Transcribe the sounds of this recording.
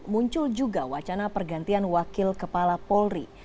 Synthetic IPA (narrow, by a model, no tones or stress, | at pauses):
muɲt͡ʃʊld͡ʒuɡawat͡ʃanapərɡant̪ianwakɪlkəpalapɔlri